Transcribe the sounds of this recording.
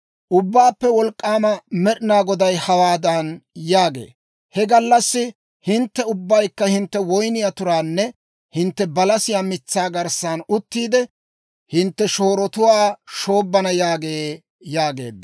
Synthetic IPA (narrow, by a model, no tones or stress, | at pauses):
ʔʊbːaːpːɛwɔlkʼːaːmɐmɛɗɪnaːɡɔd̪ɐjhɐwaːd̪ɐnjaːɡe̞̰ː | hɛɡɐlːɐsːɪ | hɪnt̪ːɛʊbːɐjkːɐhɪnt̪ːɛwɔjnɪjat̪ʊɾaːnːɛ | hɪnt̪ːɛbɐlɐsɪjaːmɪt͡sːaːɡɐɾsaːnʊt̪ːiːd̪ɛ | hɪnt̪ːɛʃo̞ːɾɔt̪ʊwaːʃo̞ːbːɐnɐjaːɡeː | jaːɡe̞̰ːd̪ːɐ